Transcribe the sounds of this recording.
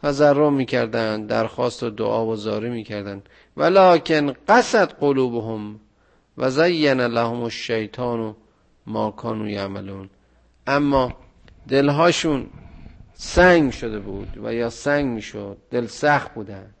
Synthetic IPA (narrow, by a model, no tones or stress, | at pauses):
t̪ʰæzærːomiːcʰæɾd̪ænd̪d̪æɾxɒːst̪od̪o̰ʔɒːbozɒːɾiːmiːcʰæɾd̪ænd̪ | vælɒːkʰenɢæsæt̪ɢoluːboɦom | væzæjːænælæhomoʃːejt̪ʰɒːno | mɒːkʰɒːnuːjamaluːn | ʔæmːɒː | d̪e̞lɦɒːʃuːn | sæŋɡmiʃod̪ebuːd̪væ̰jɒːsæŋɡmiːʃod̪̚ːe̞lsæxt̪̚buːd̪ænd̪̥